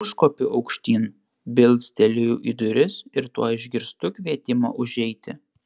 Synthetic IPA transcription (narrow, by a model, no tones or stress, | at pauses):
ʊʃkoːpʲɪɐʊkʃʲt̪ʲiːn | bʲɪlʲˠt̪sʲt̪ʲɛlʲɪjuːʔid̪ʊɾʲɪsɪɾt̪uɔɪʒʲɡʲɪɾst̪ʊkʲʋʲiɛt̪ʲɪmɑ̰ːʔʊʒʲɛɪt̪ʲɪ̰